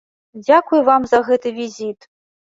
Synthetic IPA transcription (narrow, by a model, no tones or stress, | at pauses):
d͡zʲakujuvamzɐɣɛt̪ɨvʲizʲit̪